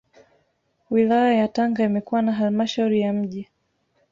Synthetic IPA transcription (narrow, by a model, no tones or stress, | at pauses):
wilajajataŋɡaimɛkuwanaɦalmaʃauɾijam̩ʄi